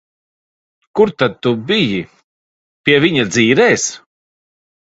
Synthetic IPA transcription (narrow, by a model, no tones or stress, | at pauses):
kuɾt̪ad̪̚t̪ubiji | pʲiɛvʲiɲad̪ziːɾɛːs